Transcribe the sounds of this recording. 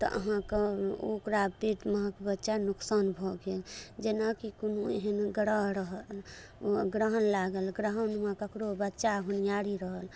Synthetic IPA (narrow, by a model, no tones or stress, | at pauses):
t̪ɔ̰ʔə̰ɦãkeokɾapiʈməɦãkbətːʃanuksanbʱɔɡeld͡ʒenakikonueɦənɡɾəɦɾəɦəl | ɡɾəɦənlaɡəlɡɾəɦənmekəkɾobətːʃaɦunjaɾiɾəɦəl